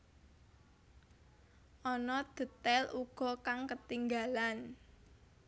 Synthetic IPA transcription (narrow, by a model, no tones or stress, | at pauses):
ʔɔnɔd̪̥ə̤t̪ɛlʔuɡ̥ɔ̤kaŋkət̪iŋɡalan